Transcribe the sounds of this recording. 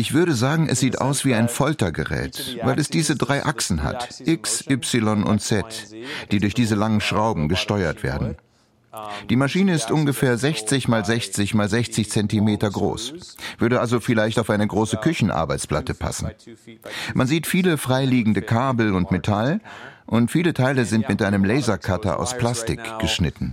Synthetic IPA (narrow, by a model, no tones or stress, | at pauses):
ʔɪçv̥ʏɐɾəzaːɡŋ̩ʔɛ̰sz̥iːtʔa̰ʊsv̥iːaɪnfɔltɐɡəʁɛ̰ːtva̰ɪlɛsd̥iːzədʁaɪʔaksn̩ɦa̰tʔɪksʔʏpsɪlɔnʊ̰ntt͡sɛtd̥iːdʊɐçd̥iːzəlaŋənʃʁ̥aʊbm̩ɡəʃtɔʏɐtv̥ḛːɐdn̩ | d̥iːmaʃiːnəɪstʔʊnɡəfɛːɐzɛçt͡sɪçmaːlzɛçt͡sɪçmaːlzɛçt͡sɪçt͡sɛntimeːtɐɡʁo̰ːsv̥ʏɐdəʔalzofɪlaɪçtaʊfʔaɪnəɡʁoːsəkʰʏçn̩ʔa̰ɐbaɪt͡spl̥atəpʰa̰sn̩ | mʔanziːtfiːləfʁ̥aɪliːɡŋ̩dəkʰaːbl̩ʊntmetʰalʔʊntfiːlətʰaɪləzɪntmɪtʔaɪnəmlɛɪzɐkʰatɐ̰ʔa̰ʊspl̥astɪkɡ̥əʃnɪtn̩